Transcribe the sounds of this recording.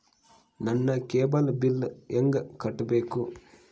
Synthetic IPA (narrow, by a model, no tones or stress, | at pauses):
nɐnːɐkeːbɐlɐbilːeŋɡɐkɐʈːɐbeːku